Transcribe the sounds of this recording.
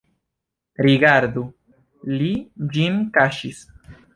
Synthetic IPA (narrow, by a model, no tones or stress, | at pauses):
ɾiɡaɾd̪u | lid͡ʒinkaʃis